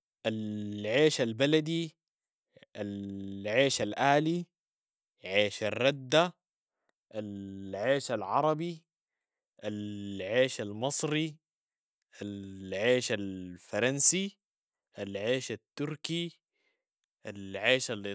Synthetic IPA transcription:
ʔalʕeːʃalbalad̪i | ʔalʕeːʃalʔaːli | ʕeːʃarˤːad̪ːa | ʔalʕeːʃalʕɑ̰ɾˤɑbi | ʔalʕeːʃalmɨsˤɾi | ʔalʕeːʃalfɑɾˤɑnsi | ʔalʕeːʃat̪ːʊɾki | ʔalʕeːʃal

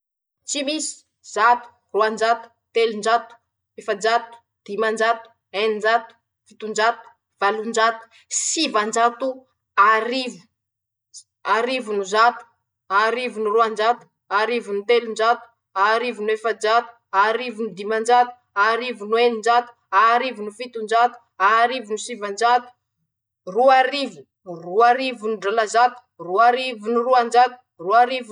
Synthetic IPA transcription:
t͡simisi̥ | z̥at̪u̥ | ruand͡ʒat̪u̥t̪elund͡ʒat̪u̥ | efad͡ʒat̪u̥ | d̪̥imand͡ʒat̪u̥ | enind͡ʒat̪u̥ | fit̪und͡ʒat̪u̥ | v̥alund͡ʒat̪u̥ | sivand͡ʒat̪u | aɾivu̥ | aɾivunuzat̪u̥ | aɾivunuruand͡ʒat̪u̥ | aɾivunit̪elund͡ʒat̪u̥ | aɾivinwefad͡ʒat̪u̥aɾivinid̪imand͡ʒat̪u̥ | aɾivunwenind͡ʒat̪u̥aɾivinufit̪und͡ʒat̪u̥aɾivunusivand͡ʒat̪u̥ | ruaɾivu | ruaɾivunuɖ͡ʐalazat̪u̥ruaɾivunuruand͡ʒat̪u̥ | ruaɾiv

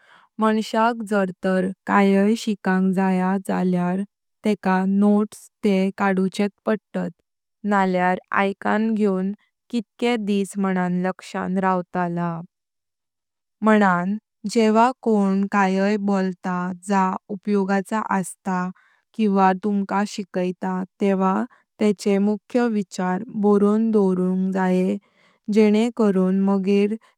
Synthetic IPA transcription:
məɳɕakd͡zəɾt̪əɾkajəjɕikãŋkd͡zajad͡zaljaɾ | t̪ekanoʈst̪ekaɽut͡ɕet̪̚pəɽt̪ət̪ | naljaɾa̰jkãnɡʱewn | kit̪̚ked̪isməɽ̃anləkʂã̰nɾawt̪ala | m̤əɽ̃an | d͡ʑeʋ̤akoɳkajəjbolt̪ad͡zaupjoɡat͡sa̰ʔəst̪a | kĩw̃ʋat̪umkaɕikəjt̪at̪eʋa | t̪ɛt͡ɕemukʰjəʋit͡ɕaɾboɾond̪oɾũŋkd͡zaje | d͡ʑɛɽ̃ekəɾuːnməɡiːɾ

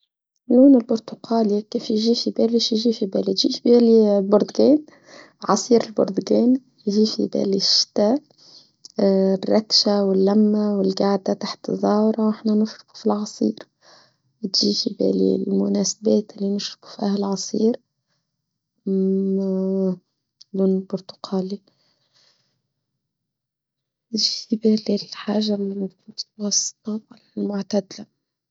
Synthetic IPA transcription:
luːnɪlbʊɾt̪ʊqɑːlikiːfjʒiːfibɛːliʃjʒiːfibæːlit̪ʒiːfbæːlilbʊɾd̪ɡɛːn | ʕɑsˤiːɾɪlbʊ̰ɾd̪ɡɛːn | jʒiːfḭbæ̰ːliʃt̪æ | rːɑkʃawɪlːæmːawɪlɡaʕd̪at̪aħt̪zˤːɑːwɾˤɑwɪħnænɪʃɾʊ̥qu̥filʕɑsˤiːɾ | ɪt̪ʒiːfibḛlḭlmʊnæːsḁbeːt̪ʔɪlːinɪʃɾʊ̥qku̥fiʔahlʕɑsˤiːɾ | d̪uːnɪlbʊɾt̪ʊ̥qɑːli | fibeːlilħaːʒalmʊt̪wɑsˤːt̪ˤɑalalmʊʕt̪ad̪la

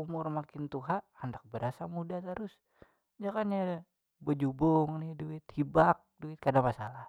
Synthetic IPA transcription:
umʊrmakɪnt̪uɦaʔhandak̚bəɾasamudat̪əɾʊs | d͡ʒakanɲa | bəd͡ʒubʊŋnɪhduɪt̪hibak̚duɪt̪̚kadaŋmasalah

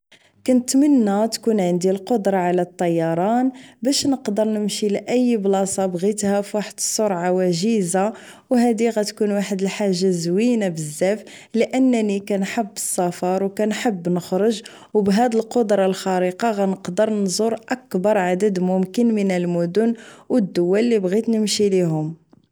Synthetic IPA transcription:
kʊnt̪mənːæt̪kunʕənd̪ilqod̪ɾˤɑʕalæt̪ˤːɑjːɑɾˤɑnbæʃnəqd̪əɾˤnəmʃilʔəjːblɑsˤɑbɣit̪hæfwaħəd̪ə̥sˤːoɾˤʕawæʒiza | wɦæd̪iɣæt̪kunwaħəd̪əlħaʒːazwinabəzːæf | ləʔənːnikænħəbːə̥sˤːɑfɑɾˤwkænħəbːnəxɾʊʒ | wbɦæd̪əlqod̪ɾˤɑlxɑɾiqɑɣænəqd̪əɾˤnzʊɾˤʔækbɑɾˤʕad̪əd̪mʊmkənmənəlmʊd̪ʊnwəd̪ːʊwːælːibɣit̪nəmʃiliɦʊm

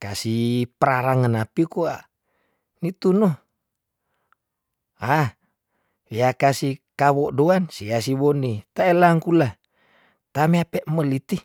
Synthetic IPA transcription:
kasipəɾaɾaŋanapikua | nit̪uno | a | iakasikawɔʔdoansias̬iβɔnit̪aelaŋkula | t̪ameapɛʔməlit̪i

